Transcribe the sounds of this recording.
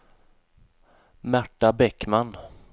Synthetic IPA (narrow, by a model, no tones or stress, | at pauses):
mæʈːabɛkman